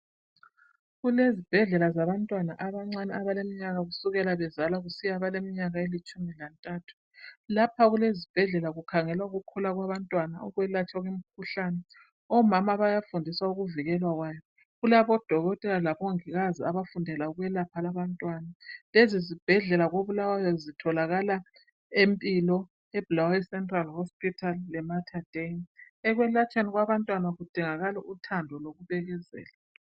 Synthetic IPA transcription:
ɣulezib̥ʱɛɮɛlazaβantʼwanaʔaβaŋ͡ǀanɛaβalemiɲaɣaɣusuɣɛlaβɛzalaɣusijaβalemiɲaɣaelit͡ʃʼumilantʼaːtʰu̥ | lapʰaɣulezib̥ʱɛɮɛlaɣukʰaŋɛlwauɣukʰɔlaɣwaβantʼwanaɔ̰ɣwɛlat͡ʃʰʼaɣwem̩kʰuɬanɛ | ɔmamaβajafundʱiswauɣuviɣɛlwaɣwaːjɔ | ɣulaβɔd̥ʱɔɣɔtʼɛlalaβɔŋiɣaziaβafundʱɛlauɣwɛlapʰalaβantʼwanalezizib̥ʱɛɮɛlaɣoβulawajɔzitʰɔlaɣala | empʼilɔ | ɛblawisɛntʼralhɔspʰʼitʰalːɛmatʰad̥ʱen | ɛɣwɛlat͡ʃʼaniɣwaβantʼwanaɣud̥ʱiŋaɣalɛʔutʰandʱɔloɣuβɛɣɛzɛ̰ːla

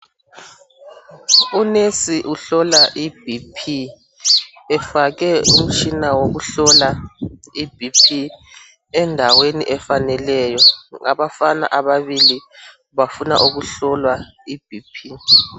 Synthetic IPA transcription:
unesiʔuɬɔlaʔib̥ʱipʰi | ɛfakɛum̩t͡ʃʰʼinawoɣuɬɔlaib̥ʱipʰi | ɛndʱaweniʔɛfanɛlɛjɔŋa̰ɓafana̰ʔaβaβili | βafuna̰ʔuɣuɬɔlwa | ib̥ʱipʰi

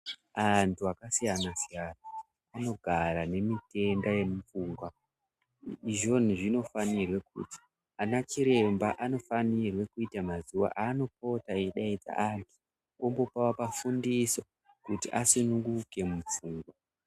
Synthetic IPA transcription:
antʰuakasijanasijana | ano̞ɡʱaɾane̞mite̞ndaje̞mufuːŋɡwa | iʒo̞n̤uʐino̞fanirwekṵti̥ | anat͡ʃiɾe̞mbaʔano̞fanirwe̞kuitamazuwa̰ʔano̞p̚o̞taeɗaita̰ʔantʰu | ombo̞pawapafundiso | kutiʔasunuŋɡuke̞mufuːŋɡwa

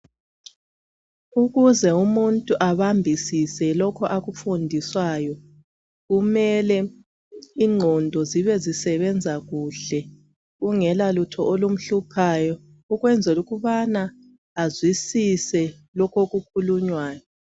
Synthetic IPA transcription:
uɣuzɛumuntʼuʔaβambʱisisɛlɔkʰɔʔaɣufundʱiswajɔ | ɣumɛlɛ | iŋ͡ǃʱɔndʱɔziβɛzisɛβɛnd͡zʱaɣuɬɛ | ɣuŋɛlalutʰɔʔolum̩ɬupʰajɔ | uɣwɛnd͡zʱɛluɣuβanaː | zwisisɛ | lɔkʰoɣukʰuluɲwaːjɔ

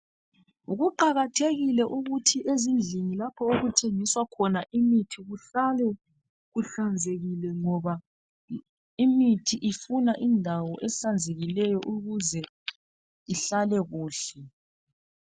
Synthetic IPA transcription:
uɣuǃaɣatʰeɣilɛʔuɣutʰiʔezind͡ɮʱinilapʰɔoɣutʰeŋiswakʰɔnaʔimitʰiɣuɬalɛ | ɣuɬand͡zʱeɣilɛŋɔβa | imitʰiʔifunaʔindʱawɔʔɛɬand͡zʱeɣilɛjɔʔuɣuzɛ | iɬalɛɣuːɬɛ

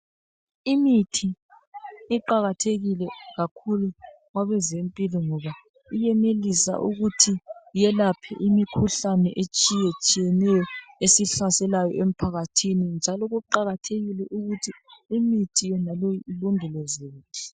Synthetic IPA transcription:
imitʰi | iǃaɣatʰeɣilɛɣakʰulu | ɣwaβɛzempʼilɔŋɔβa | ijɛnelisa̰ʔṵɣutʰijɛlapʰɛ̰ʔimikʰuɬanɛ̰ʔet͡ʃʼijet͡ʃʼijɛnɛjɔesiɬasɛlajɔ̰ʔem̩pʰaɣatʰinind͡ʒʱalɔɣuǃaɣatʰeɣilɛʔuɣutʰiːmitʰijɛnalojilundʱulɔzeːtʰu̥

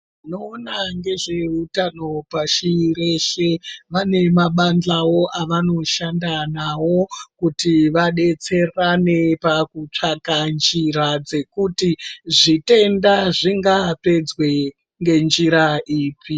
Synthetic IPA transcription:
ino̞ːnaŋɡe̞ʐe̞utano̞paʃiɾe̞ʃe̞ʋane̞maɓand͡ɮawo̞ʔaʋano̞ʃandanawo̞kutiʋaɗe̞t͡se̞rane̞pakut͡ʂakand͡ʒiɾad͡ze̞kutiʐite̞ndaʐiŋɡape̞d͡zwe̞ | ŋɡe̞nd͡ʒiɾaiːpi

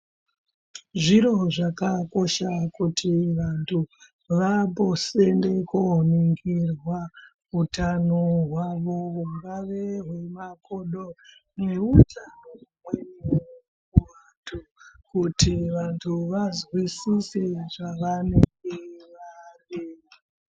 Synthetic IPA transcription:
ʐiɾo̞ʐakako̞ʃakutʰiʋantʰu | ʋabosendekoniŋɡirwa | ɦutanoɦwaʋo̞uŋɡaʋe̞ɦwemakoɗo | ne̞utʰanomweniw | kuʋantʰukutʰiʋantʰuʋazwisiseʐaʋanekeʋareːi

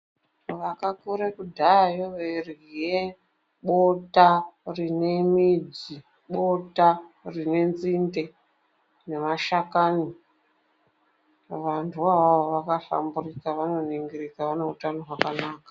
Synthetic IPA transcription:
ʋakakuɾekudʱajoʋerije | ɓotarine̞mid͡zi | ɓo̞tarine̞nzinde̞ | ne̞maʃakaːni | ʋantʰuaoʋakafa̰mburikaʋano̞niŋɡirikaʋane̞utano̞ɦwakanaːkḁ

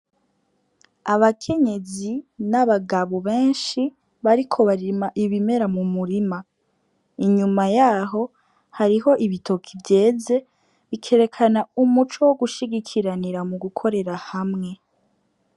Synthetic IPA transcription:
aβakʰe̞ɲe̞zinaβaɡaβoβeːnʃi | βaɾikʰo̞βaɾimaʔiβime̞ɾamumuɾima | iɲumajaːɦo̞ | haɾiɦo̞ʔiβitʰokʰivɟe̞ːze̞ | βikʰe̞ɾe̞kʰanaumut͡ʃowo̞ɡuʃiɡikʰiɾaniɾamuɡukʰo̞ɾe̞ɾahamŋe̞

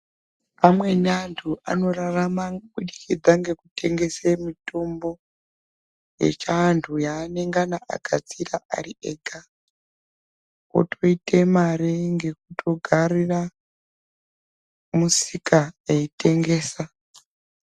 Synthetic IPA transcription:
amwe̞nantʰua̰no̞raramaɓuɗikid͡zaŋɡe̞kutʰe̞ŋɡe̞semito̞mbo̞ | je̞̰t͡ʃaːntʰujaːne̞ŋɡanaʔa̰ɡʱat͡siraʔa̰riʔeːɡʱa | o̰tʰo̞itemaɾeŋɡek̚utʰo̞ɡʱarira | musikaeite̞ŋɡe̞ːsa

